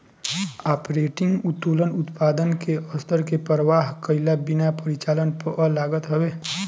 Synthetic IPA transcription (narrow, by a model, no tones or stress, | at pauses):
aːpɾeːʈɪ̃ŋɡʊt̪ːuːlənʊt̪paːd̪ənkeɔst̪ʰəɾkepəɾəʋaːɦkəɪlabinapəɾit͡ʃaːlənpəəlaːɡət̪ɦəweː